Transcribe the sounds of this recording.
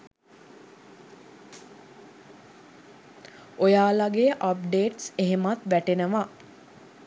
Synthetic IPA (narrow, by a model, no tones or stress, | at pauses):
ojaːlaɡejəʔapɖeːʈseɦemat̪ʋæʈenəʋa